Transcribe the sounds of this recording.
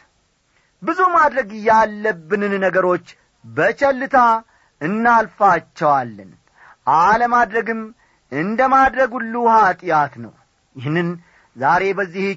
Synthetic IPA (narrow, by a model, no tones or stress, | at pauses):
bɨzumad̪ɾəɡɨjːalːəbːɨnɨnnəɡəɾo̞t͡ʃː | bət͡ʃɛlːɨt̪ʰa | ɨnːalfat͡ʃːɛwalːən | ʔaləmad̪ɾəɡɨm | ɨnd̪əmad̪ɾəɡulːuhat̪ʼjat̪nəw | jɪhnːɨn | zaɾe̞bəzːih